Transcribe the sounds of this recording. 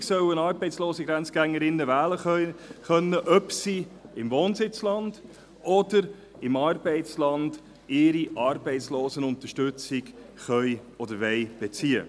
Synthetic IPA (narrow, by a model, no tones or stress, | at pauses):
sœwənɑːɾbɛɪtt͡sloːsiɡɾænt͡sɡ̥æŋːəɾɪnːəvæːləχœnːəʔœpsiɪmvoːnsɪt͡slɑnd̥ | ɔdəɾ | ɪmɑːrbɛɪtt͡slɑnd̥ | ɪɾiʔɑːɾbɛɪtsloːsənʊntəʃtʏt͡sɪɡ | χœjɔd̪əɾvɛɪb̥et͡siːə̰